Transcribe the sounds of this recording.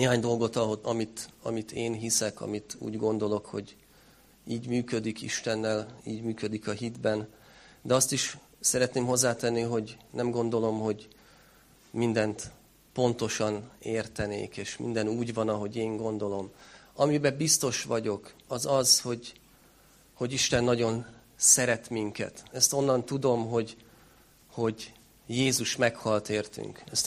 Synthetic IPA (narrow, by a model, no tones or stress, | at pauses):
neːɦaːɲd̪o̞lɡo̞t̪ɒɦoɒmit̪ɒ̰mit̪eːnɦisɛkɒ̰mit̪ṵːɟɡo̞nd̪o̞lo̞kho̞̰ɟ | iːɟmyːkø̞d̪ikiʃt̪ɛnːɛliːɟmyːkø̞d̪ikɒɦid̪bɛn | d̪ɛɒst̪iʃ | sɛɾɛt̪neːmɦo̞zːaːt̪ɛnːiɦo̞ɟnɛmɡo̞nd̪o̞lo̞mho̞ɟ | mind̪ɛnt̪ | po̞nt̪o̞ʃɒneːrt̪ɛnḛːkeːʃmḭnd̪ɛnuːɟvɒnɒɦo̞ɟeːŋɡo̞nd̪o̞lo̞mɒmibɛbist̪o̞ʃʋɒɟo̞kɒzɒzho̞ɟ | ho̞ɟiʃt̪ɛnːɒɟo̞n | sɛɾɛt̪miŋkɛ̰t̪ɛst̪o̞nːɒnt̪ud̪o̞mɦo̞ɟ | ho̞ɟ | jeːzuʃmɛkhɒlt̪eːrt̪y̰ŋkɛst̪